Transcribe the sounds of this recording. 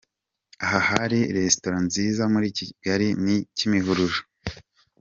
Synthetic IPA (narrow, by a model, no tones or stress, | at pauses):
aɦahaɾiɾestoɾanziːzamuɾiːciɡ̥aɾinicimiɦuɾuʒo̥